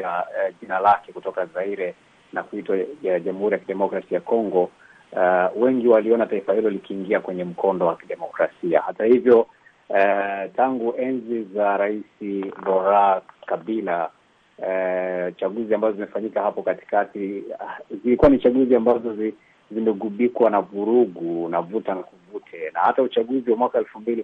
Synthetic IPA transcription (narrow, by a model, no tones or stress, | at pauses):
aʄinalakɛkutɔkazaiɾɛ | nakuitwaʄamuhuɾijakiɗɛmɔkɾasiajakɔŋɡɔ | wɛŋɡiwaliɔnataifahilɔlikiːŋɡiakwɛɲɛm̩kʰɔndɔwakiɗɛmɔkɾasia̰hatahivjɔ | taŋɡuʔɛnzizaɾaisilɔɾakabila | t͡ʃaɠuziambazɔzimɛfaɲikahapɔkati̥kati | zilikuwanit͡ʃaɠuziambazɔz | zimɛɡuɓikwanavuɾuɡunavutanakuvutʰɛnahataut͡ʃaɠuziwamwakaɛlfumbili